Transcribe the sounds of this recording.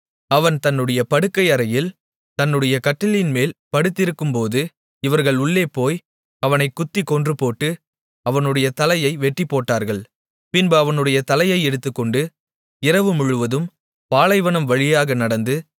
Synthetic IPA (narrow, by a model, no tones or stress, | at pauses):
ɐʋɐnt̪ɐnːɯɽɐjɐpɐɽɯkːɐɪɐɾɐjɪl | t̪ɐnːɯɽɐjɐkɐʈːɪlɪnmeːlpɐɽɯt̪ːɪɾɯkːɯmpoːðɯ | ɪʋɐɾɣɐɭʊɭːeːpoːj | ɐʋɐnɐɪkːʊt̪ːikːɔndrɯpoːʈːɯ | ɐʋɐnɯɽɐjɐt̪ɐlɐjɐɪʋɛʈːipːoːʈːaːɾɣɐɭ | pɪnboːɐʋɐnɯɽɐjɐt̪ɐlɐjɐɪɛɽɯt̪ːɯkːɔɳɖɯ | ɪɾɐʋɯmʊɻɯʋɐðɯm | paːlɐɪʋɐnɐmʋɐɭɪjaːɣɐnɐɽɐnd̪ɯ